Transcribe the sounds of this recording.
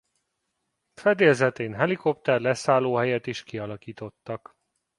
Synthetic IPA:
fɛd̪eːlzɛt̪eːnɦɛliko̞p̚t̪ɛrlɛsaːloːɦɛjɛt̪iʃkiɒlɒkiːt̪o̞t̪ːɒk

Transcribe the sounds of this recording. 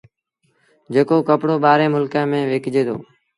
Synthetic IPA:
d͡ʒeːkoːkəpɽoːɓaːɾẽːmʊlkãːmẽːʋeːkd͡ʒeːt̪ʰo̰ː

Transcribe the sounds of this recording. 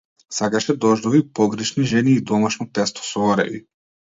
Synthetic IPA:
sakaʃɛd̪ɔʒd̪ɔvipɔɡɾɛʃniʒɛniːd̪ɔmaʃnɔt̪ɛst̪ɔ̥sɔɔɾɛ̰vḭ

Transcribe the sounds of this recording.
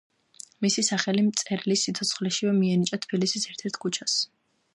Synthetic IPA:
misisaχɛlimt̪sʼɛɾlisːit̪sʰɔt̪sʰχlɛʃivɛmiɛnit͡ʃʼat̪ʰbilisisɛɾt̪ʰɛɾt̪ʰkʰut͡ʃʰas

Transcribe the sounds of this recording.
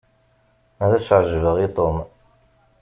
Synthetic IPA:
æðæsʕəʒvəʁit̪ˤom

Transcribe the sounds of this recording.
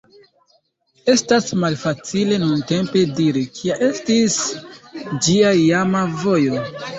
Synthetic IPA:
e̞stasmalfat͡sile̞nunte̞mpe̞diɾikʰiaʔe̞stis | d͡ʒiaijamavojo

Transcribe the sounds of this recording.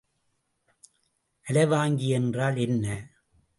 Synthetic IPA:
ʔɐlɐɪʋaːŋɡiɛndraːlɛnːɐ

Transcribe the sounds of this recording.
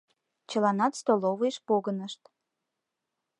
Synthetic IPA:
t͡ɕəlɑnɑt̪st̪oloβəjʃpoɣənəʃt̪

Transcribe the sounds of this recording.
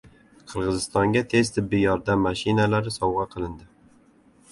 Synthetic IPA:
qʰɨɾʁɨzɪst̪ɒŋɡʲat̪ʰe̞zt̪ʰɪbːɪjɒɾd̪amːaʃɪnalaɾɪsɒwʁɑqʰɨlˠɪnd̪ɪ

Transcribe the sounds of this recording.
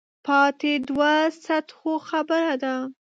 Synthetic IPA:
pɑt̪ed̪wasat̪xoxabəɾad̪a

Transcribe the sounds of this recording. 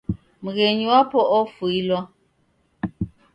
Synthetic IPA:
muɣeɲiwapʰɔʔɔfuilwa

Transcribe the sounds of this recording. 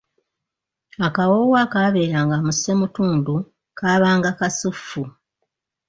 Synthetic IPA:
akawowakaβe̞ːɾaːŋɡamusːemutuːndu | kaːβaːŋɡakasufːu

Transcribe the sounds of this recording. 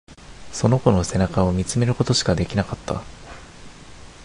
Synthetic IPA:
so̞no̞ko̞no̞se̞nakao̞mʲit͡sɨme̞ɾɯ̟ko̞t̪o̞ɕi̥kad̪e̞kʲinakat̪ːa̰

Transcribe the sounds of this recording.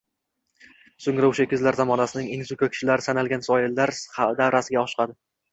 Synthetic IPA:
soŋɾaʊʃakʰʲːɪzlaɾzamɒnasɪnɪŋeŋzʊkʰakʲʰɪ̥ʃɪlaɾɪsanalɡʲansɒjɪlːaɾd̪avɾasɪɡʲaɒʃqʰɑd̪ɪ

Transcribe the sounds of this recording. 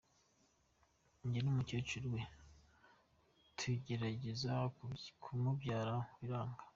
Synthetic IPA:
ɲɟenumucot͡ʃiɾwe | tʰwiɟe̞ɾaɟezakʰumubɟaːɾawiɾaːŋɡḁ

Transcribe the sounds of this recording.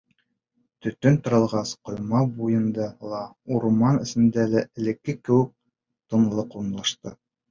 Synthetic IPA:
t̪ɵ̆t̪ɵnt̪ŏɾɤ̆lˠʁɑsqŏjmɑbujɤ̆nd̪ɑlˠɑuɾmɑnɘ̆sɘ̆nd̪ælæʔɘ̆lɘ̆kːɘkɘ̆wɘ̆k̚ | t̪ɤ̆nlˠɤqunlˠɑʃt̪ɤ

